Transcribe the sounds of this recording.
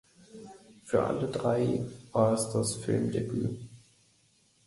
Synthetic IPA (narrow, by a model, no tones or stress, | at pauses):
fyːɐʔa̰lədʁaɪvaːɐɛsd̥asfɪlmdeby̰ː